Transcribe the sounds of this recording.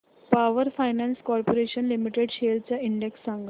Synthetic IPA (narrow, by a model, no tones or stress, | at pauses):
paʋəɾfajnanskɔɾpoɾeɕənlimiʈeɽɕelt͡ɕjaiɳɖeksːãŋɡ